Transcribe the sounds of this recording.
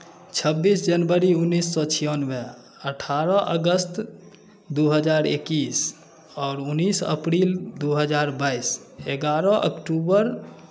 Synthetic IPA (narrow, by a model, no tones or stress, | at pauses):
t͡ʃʰəbːisd͡ʒənbəɾiunːisːɔt͡ʃʰijɔnbe | əʈʰaɾɔʔə̰ɡəst̪ | d̪uɦəd͡ʒaɾḛkis | ɔːɾunːisə̰pɾild̪uɦəd͡ʒaɾbaiseɡaɾɔ̃ʔə̰kʈubəɾ